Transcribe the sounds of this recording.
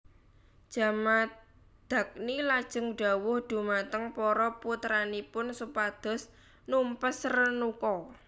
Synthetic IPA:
d̥ʒ̥a̤ma | d̪̥a̤k̚nilad̥ʒ̥ə̤ŋɖ̥a̤wʊhɖ̪̥ṳmat̪əŋpɔɾɔput̪ɾanipʊnsupad̪̥ɔ̤s | numpəsrənukɔ

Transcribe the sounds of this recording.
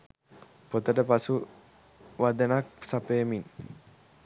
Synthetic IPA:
pot̪ədəpasu | wad̪ənak̚psapemin

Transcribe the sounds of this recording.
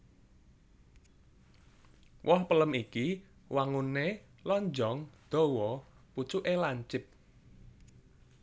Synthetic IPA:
wʔɔhpələmikiwaŋunːe | lɔɲd͡ʒɔŋd̪̥ɔ̤wɔput͡ʃuʔelaɲt͡ʃɪp̚

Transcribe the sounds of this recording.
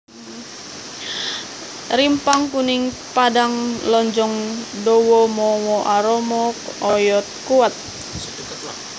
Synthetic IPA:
ɾimpaŋkunɪŋ | padaŋlɔɲd͡ʒɔŋdɔwɔmɔwɔʔaɾɔmɔkɔjɔt̪̚kuwat̪̚

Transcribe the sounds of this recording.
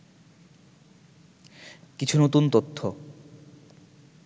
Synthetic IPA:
kit͡ɕʰunot̪unt̪ot̪ʰːo

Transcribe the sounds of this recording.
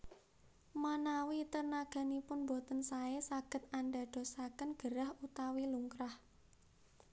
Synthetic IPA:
manawit̪ərnaɡ̥a̤nipʊnbot̪ənsaesaɡ̥ə̤t̪anda̤ɖ̥o̤sakənɡ̥əɾahut̪awiluŋkɾah

